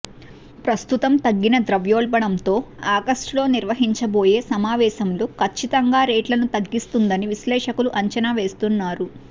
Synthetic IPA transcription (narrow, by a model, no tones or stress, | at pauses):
pɾɐst̪ut̪ɐmt̪ɐɡːinɐd̪ɾɐʋjoːɭbɐɽɐmt̪o̞ːaːɡɐsʈlo̞ːniɾʋɐɦiɲt͡ʃɐbo̞ːje̞ːsɐmaːʋɛːʃɐmloːkʰɐt͡ʃːit̪ɐŋɡaːɾeːʈlɐnut̪ɐɡːist̪und̪ɐniʋislɛːʂɐkuluʔɐɲt͡ʃɐnaːʋe̞ːst̪unːaːɾu